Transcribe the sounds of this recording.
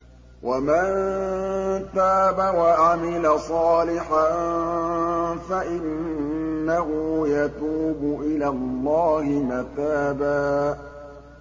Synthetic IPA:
wʔaman | t̪aːbawaʔamɪlasˤɑːlɪħan | faʔɪnː | aɦʊːjat̪uːbʊʔɪlalːɑːhɪmat̪aːbaː

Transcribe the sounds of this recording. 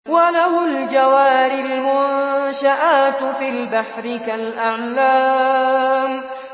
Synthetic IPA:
walahʊld͡ʒawaːɾɪlmʊnʃaʔaːt̪fiːlbaħɾɪkalʔaʕlaː | m

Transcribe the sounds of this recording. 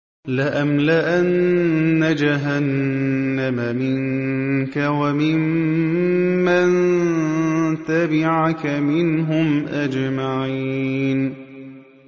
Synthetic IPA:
laʔamlɪʔanːad͡ʒaɦanː | amamɪŋkawamɪm | an | t̪abɪʕakamɪnɦʊmʔad͡ʒmaʕiːn

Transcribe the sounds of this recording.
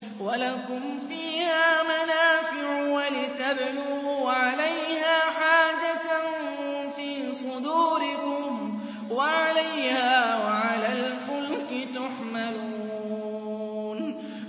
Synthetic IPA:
walakʊm | fiːhaːmanaːfɪʕwalɪt̪abluʕalajhaːħaːd͡ʒatn | fiː | sˤʊd̪uːɾɪkʊm | waʕalajhaːwaʕalaːlfʊlkɪt̪ʊħmaluː | n

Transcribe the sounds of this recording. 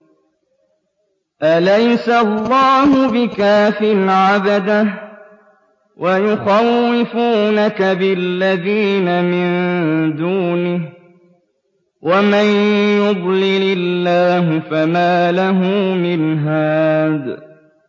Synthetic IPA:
ʔalajsalːɑːhʊbɪkaːfɪnʕabad̪a | wʔajʊxawːɪfuːnakabɪlːaðiːnamɪnd̪uːnɪh | wʔamanjʊd̪ˤlɪlɪlːaːɦʊfamaːlaɦʊmmɪnɦaːd̪

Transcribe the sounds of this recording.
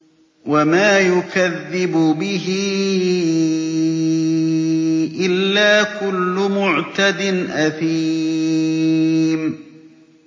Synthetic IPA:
wamaːjʊkaðːɪbʊbɪɦɪ | ʔɪlːaːkʊlːʊmʊʕt̪ad̪ɪnʔaθi | m

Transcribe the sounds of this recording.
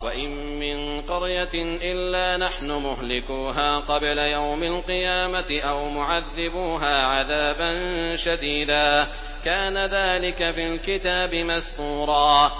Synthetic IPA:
waʔɪmːɪn | qʊɾjaʔɪlːaːnaħnʊmʊɦlɪkuːɦaːqɑblajawmalqɨjaːmat̪ɪʔawmʊʕaðːɪbuːɦaːʕaðaːbanʃad̪iːd̪aː | kaːnaðaːlɪkafiːlkɪt̪aːbɪmast̪uːɾˤɑː

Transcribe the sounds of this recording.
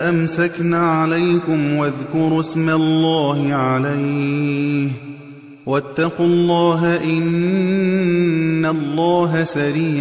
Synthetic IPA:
ʔamsaknaːʕalajkʊmwaðkʊɾˤsmalːaːhɪʕalaj | h | wat̪ːɑqulˤːɑːɦaʔɪn | alːɑːɦasaɾiː

